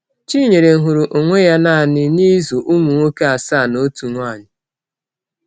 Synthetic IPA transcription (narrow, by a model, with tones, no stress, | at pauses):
t͡ʃi˦ɲe˨ɾe˨ŋ̩˨ɦʊ˨ɾu˨ʔo˨ŋʷe˦ja˦na˦˨nɪ˦ni˦zo˨ʔu˦mu˨ŋʷo˦ke˦a˨sa˦˨no˦tu˨ŋʷ˦a˦˨ɲɪ˨